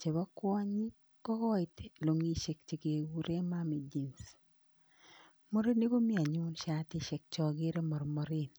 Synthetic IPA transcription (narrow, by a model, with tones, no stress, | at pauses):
t͡ʃe˨bɔ˦kwɔ˦ɲi˦ | kɔ˦kɔ˦ɪ˨t̪lo˨ŋi˦ʃe˨kt͡ʃe˨ke˨wu˦ɾe˦ma˦mi˨d͡ʒi˨ns | mɔ˦ɾi˦nːe˦ɡo˦mɪ˦a˨ɲʊ˦nʃa˦t̪ɪ˦ʃɛ˨k̚t͡ʃɔ˨ɡɪ˦ɾe˦mɔ˨ɾmɔ˦ɾɪ˦n